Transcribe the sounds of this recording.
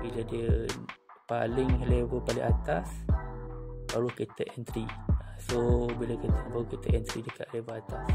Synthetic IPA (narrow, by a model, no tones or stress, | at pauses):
biladiə | pa̰lɪŋhəlevəpalɪ̰ŋʔat̪as | baɾukit̪əʔɛnt̪ɾiasobilakit̪əbaɾukit̪əʔɛnt̪ɾidəka̰ʔhlevəat̪as